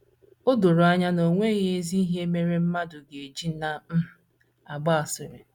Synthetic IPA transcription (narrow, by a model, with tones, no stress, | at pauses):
ʊ˦dʊ˨ɾʊ˨a˦ɲa˦no˨ŋʷe˦ɣe˦zi˦i˦ɦe˦me˦ɾe˦m̩˦ma˦dʊ˨ɡe˨d͡ʒi˦na˦m̩˦˨ | a˨ɡ͡ba˦a˨sɪ˨ɾɪ˨